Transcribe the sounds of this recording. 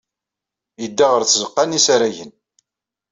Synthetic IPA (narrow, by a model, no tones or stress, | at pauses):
jəd̪ːaʁəɾθzəqːanisaɾæʝən